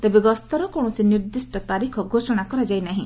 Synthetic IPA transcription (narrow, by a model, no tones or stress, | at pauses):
t̪ebeɡɔst̪ɔɾɔkoɽ̃ɔ̃siniɾd̪isʈɔt̪aɾikʰɔɡʱosɔɽ̃akɔɾad͡ʒajnaɦĩ